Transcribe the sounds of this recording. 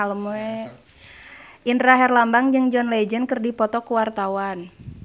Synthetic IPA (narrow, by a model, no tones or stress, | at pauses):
aləmɛ | ʔint̪ɾaɦɛrlambaŋd͡ʒɨŋd͡ʒɔnlɛd͡ʒənkərdipɔt̪ɔkuwart̪awan